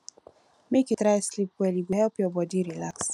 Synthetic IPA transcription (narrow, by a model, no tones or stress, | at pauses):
meketɾajslipwɛliɡʷeɦɛpjɔbɔdiɾila̰ks